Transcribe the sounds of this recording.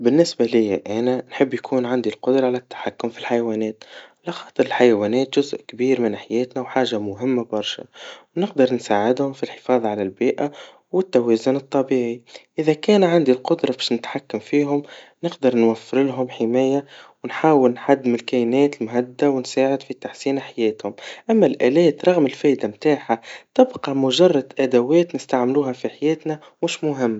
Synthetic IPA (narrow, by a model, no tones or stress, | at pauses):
bɪnːɪsbalɪjːaʔænanħɪbːjakʰuːnʕand̪ilqʊd̪ɾˤɑʕalæt̪ːḁħakːʊmfilħajawæːnɛːt̪lɑxɑːt̪ˤɨɾɪlħajawæːnɛːt̪ʒʊzʔkbiːɾmɪnħajɛːt̪nawħaːʒamʊɦɪmːabɑɾˤʃa̰wnɪqd̪ɑɾˤnsaːʕɪd̪hʊmfilħɪ̥fɑːðˤʕalælbiːʔa | wɪt̪ːawæːzʊnɨt̪ˤːɑbiːʕiʔɪðækæːnʕand̪ilqʊd̪ɾˤɑbɛːʃnɪt̪ħakːamfiːɦʊmnɪqd̪ɑɾˤnwafːɪɾlɦʊmħɪmæːjawnħaːwɪlnħad̪ːɪmɪlkæjnɛːt̪lmɦad̪ːawnsaːʕɪd̪fit̪aħsiːnaħajɛːt̪hʊmʔæmːælʔæːlɛːt̪ɾˤɑɣmɪlfɛːʔd̪amt̪aːħat̪ɪbqɑmʊʒɑrˤːɑd̪ʔæd̪æwɛːt̪nɪst̪aʕmluːɦæfiħajɛːt̪næ | mʊʃmʊɦɪmːa